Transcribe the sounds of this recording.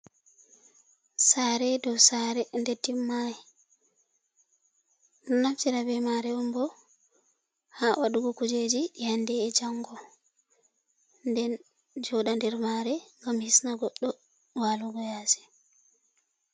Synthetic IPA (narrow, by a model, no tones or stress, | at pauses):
saɾɛdɔwsaɾɛndetːimːajɛ | nɔnaftiɾabɛmaɾɛɔmbɔ | haːʔaɗuɡɔkud͡ʒed͡ʒijandɛːd͡ʒaŋɡɔ | ndɛn | d͡ʒɔɗandɛɾmaɾɛŋɡamhisnaɡɔɗːɔ | waluɡɔjasɛ̥